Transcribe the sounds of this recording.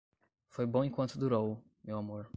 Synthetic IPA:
fojbõẽkwɐ̃nt̪ʊd̪uɾow | mewamoɾ

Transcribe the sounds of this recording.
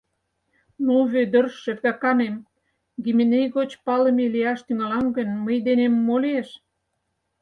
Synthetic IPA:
noβød̪ə̆rʃĕvɡɑkɑnem | ɡimʲenejɣot͡ɕpɑlə̆meliɑʃt̪yŋɑlɑŋɡə̆nməjd̪enemːoleʃ

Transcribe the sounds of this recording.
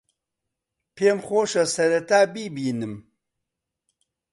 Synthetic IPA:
pʰeːmχʷoːʃɐsɐɾɐt̪ʰaːbiːbinɨm

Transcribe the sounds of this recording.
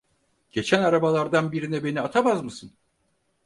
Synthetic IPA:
ɟ̥e̞t͡ʃʰænaɾabalˠaɾd̪anbiɾinɛbe̞niat̪ʰamazmɯsɯn

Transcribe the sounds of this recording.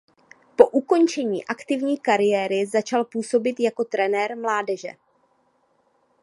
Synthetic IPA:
po̞ʔuko̞nt͡ʃɛɲḭːʔakt̪ɪvɲiːkaɾɪjɛːɾɪzat͡ʃalpuːso̞bɪt̪jako̞t̪ɾɛnɛɾmlaːdɛʒɛ̰

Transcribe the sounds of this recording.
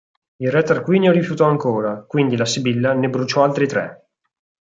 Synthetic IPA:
ilrɛt̪ːarkwiːnjoɾifjut̪ɔaŋkoːɾakwind̪ilasibilːanebɾut͡ʃɔalt̪ɾit̪ɾɛ̰

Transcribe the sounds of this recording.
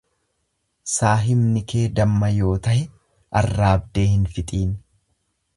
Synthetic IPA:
saːɦɪmnɪkʰe̞ːd̪ɐmːɐjo̞ːt̪ɐhɛ | ʔɐrːaːb̚d̪e̞ːhɪnfɪt̪ʼiːn

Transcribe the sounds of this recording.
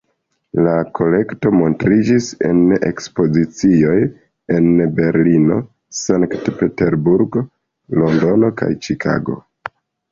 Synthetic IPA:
lakʰo̞le̞kto̞mo̞ntɾid͡ʒisḛne̞̰kspo̞zit͡sio̞j | e̞nbe̞ɾlino̞̰ | saŋktpe̞te̞ɾbuɾɡo | lo̞ndo̞no̞ka̰jt͡ʃikʰa̰ɡo̞̰

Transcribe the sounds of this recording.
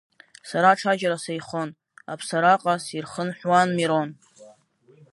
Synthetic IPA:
saɾaʈ͡ʂʰad͡ʒaɾasajχon | a̰pʰsaɾaqʼasirχənħʷwanmiɾon

